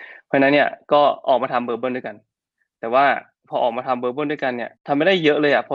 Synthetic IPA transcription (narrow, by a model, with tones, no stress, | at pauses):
pʰaː˧˥na˦˥nːi˥˩ɐkɔː˥˩ʔɔː˨˩kmaː˧t̪ʰa˧mbɤː˧bɤː˥˩˨du˥˩ka˧n | t̪ɛː˨˩waː˥˩ | pʰɔː˧ʔɔː˨˩k̚maː˧t̪ʰa˧mbɤː˧bɤː˥˩ndu˥˩jka˧nːi˥˩ɐt̪ʰa˧mːa˥˩da˥˩jːɤ˦˥ʔlɤː˧jʔa˨˩pʰɔ˦˥